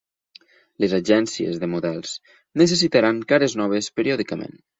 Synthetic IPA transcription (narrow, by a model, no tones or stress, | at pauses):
lezaʒɛnsiḛzðəmuðɛlˠz̥ | nəs̬esit̪aɾaŋkaɾeznɔβ̞espeɾiɔðikəmḛn